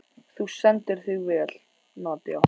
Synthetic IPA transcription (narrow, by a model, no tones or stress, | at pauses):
θusɛnt̪ɪɾ̥θiɣvɛːl̥ | nɔːt̪ɪaw